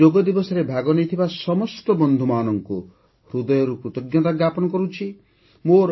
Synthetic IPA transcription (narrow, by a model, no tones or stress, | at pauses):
oɡɔd̪ibɔsɔɾebʱaɡɔnejt̪ʰibasɔmɔsʈɔbɔnd̪ʱumaːnɔŋku | hɾud̪ɔjɔɾupɾut̪iɡjɔt̪aɡjapɔnɔkɔɾut͡ʃʰi | moɾ